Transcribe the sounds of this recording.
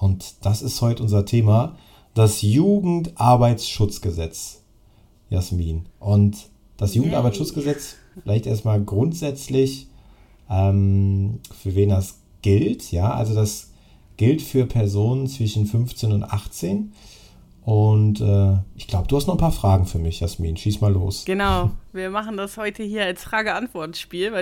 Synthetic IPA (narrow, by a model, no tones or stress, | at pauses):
ʔʊntd̥asɪsthɔʏtəʔʊnzɐtʰeːma | d̥asjuːɡŋ̩tʔaɐbaɪsʃʊt͡sɡ̥əzɛt͡s | jasmiːnʔʊnt | d̥asjuːɡŋ̩tʔa̰ɐbaɪtʃʊt͡sɡ̥əzɛt͡s | fɪlaɪçtʔḛːɐstmaːlɡʁʊntz̥ɛt͡slɪç | ʔɛːm | fyːɐveːndas | ɡ̥ɪltjaːʔa̰lzodas | ɡ̥ɪltfyːɐpʰɛɐzoːnənt͡sv̥ɪʃn̩fʏnft͡seːnʊntʔa̰χt͡seːn | ʔʊntʔɛːʔɪçɡ̥laʊbəd̥uːhastnɔχn̩pʰaːɐfʁ̥aːɡŋ̩fyːɐmɪçjasmḭːnʃiːstmaːlo̰ːsɡ̥ənaʊviːɐmaχn̩dashɔʏtʰəhiːɐalsfʁ̥aːɡəantv̥ɔɐtʃpiːlvɪ